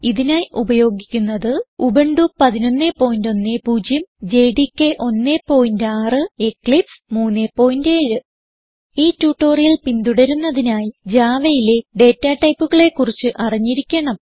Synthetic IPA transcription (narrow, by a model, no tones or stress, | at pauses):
iðinaːjiʔubɐjo̞ːɡikʲːunːɐðɨubeɳɖupɐðino̞nːepːo̞ːjndo̞nːe̞puːd͡ʑjɐmd͡ʑe̞jɖikːeʔo̞nːe̞pːo̞ːjindaːrɨekɭipsmuːnːepːo̞ːjindeːɻɨ | iːtːuːʈːo̞ːrijɐlpind̪uɽɐɾunːɐðinaːjid͡ʑaːʋɐjile̞ɖe̞ːtːaʈɐjpːuɣɐɭe̞kːurit͡ɕːɨʔɐriɲːiɾikʲːeɳɐm